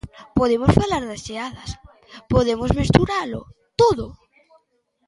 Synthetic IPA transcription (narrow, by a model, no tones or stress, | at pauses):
poðemosfalaɾðeseaðas | poðemozmest̪uɾalo̰ | t̪oðo